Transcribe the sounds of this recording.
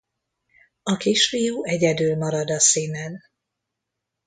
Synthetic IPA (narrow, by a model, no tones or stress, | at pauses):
ɒkiːʃfijuːɛɟɛd̪ylmɒɾɒd̪ɒsiːnɛn